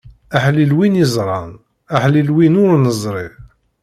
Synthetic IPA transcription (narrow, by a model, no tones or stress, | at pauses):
aħlilwinizˤɾˤɑn | aħlilwinʊɾnəzˤɾˤiv